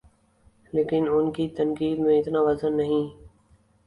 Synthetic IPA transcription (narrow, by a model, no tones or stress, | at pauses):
leːkɪnʊnkiːt̪ənkiːd̪mẽːɪt̪nãːʋəzənːəɦĩː